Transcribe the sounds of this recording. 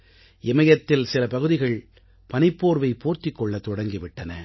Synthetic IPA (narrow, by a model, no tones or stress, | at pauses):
ʔɪmɐjɐt̪ːɪlsɪlɐpɐɣɯðɪɣɐɭ | pɐnɪpːoːɾʋɐɪpoːɾt̪ɪkːɔɭːɐt̪ːɔɽɐŋɡɪʋɪʈːɐnɐ̰